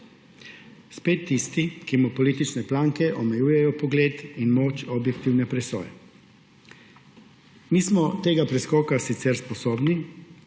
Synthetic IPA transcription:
speːt̪ːist̪ikimupɔliːt̪it͡ʃnɛplaːŋkɛʔɔmɛjuːjɛjɔpɔɡleːt̪inmoːt͡ʃɔbjɛkt̪iwnɛpɾɛsɔ̰ːjɛ̰ | miːsmɔt̪eːɡapɾɛskɔːkasit̪sɛɾspɔsoːbni

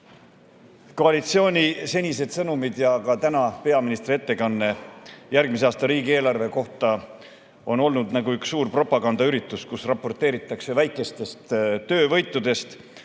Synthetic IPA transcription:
ko̞ɑlit̪sio̞ːnʲise̞nʲise̞d̪̥sɤnumid̪jɑkɑt̪ænɑpe̞ɑminist̪ɾrie̞t̪ːe̞kɑnːe̞jærɡ̥miseɑːst̪ɑɾiːɡie̞ːlɑrve̞ko̞ht̪ɑ | o̞no̞lnud̪̥nɑɡuyksːuːrpro̞pːˑɑɡɑnd̪ɑyɾit̪ːˑuskusrɑpːo̞rt̪ːˑe̞ːɾit̪ːˑɑkse̞væjkːˑe̞st̪e̞st̪ːø̞ːvɤ̞jt̪ːˑud̪̥e̞st̪

